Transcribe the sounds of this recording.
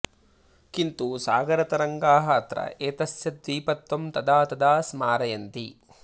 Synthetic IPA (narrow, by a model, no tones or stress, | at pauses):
kint̪usaːɡɐɾɐt̪ɐɾɐŋɡaːɦɐɐt̪ɾɐ̰eːt̪ɐsjɐt̪̚ʋiːpɐt̪ːɐmt̪ɐd̪aːt̪ɐd̪aːsmaːɾɐjɐnt̪i